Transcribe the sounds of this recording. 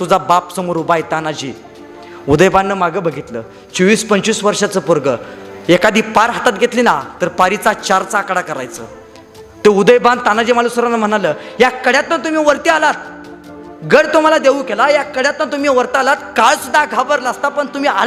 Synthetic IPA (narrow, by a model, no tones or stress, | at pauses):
t̪ud͡zabapsəmoɾubajt̪anad͡ʑḭ | ud̪əjbanːəmaɡəbəɡʱit̪lə | t͡ɕɔʋiːspənt͡ɕʋisʋəɾʂat͡səpuɾɡəekad̪iːpaɾɦat̪at̪̚ɡʱet̪linat̪əɾpaɾit͡sat͡ɕaɾt͡saːkɽakəɾa̰jt͡sə̰ː | t̪eud̪əjband̪t̪anad͡ʑiːmalusəɾanəm̤əɽ̃aləjakəɽjat̪nət̪um̤iːʋəɾt̪ialat̪̚ | ɡəɽt̪um̤alad̪eʋukelajakəɽjat̪nət̪um̤iːʋəɾt̪əalat̪kaɭsud̪ʱːaɡʱabəɾlast̪apəɳt̪um̤iːal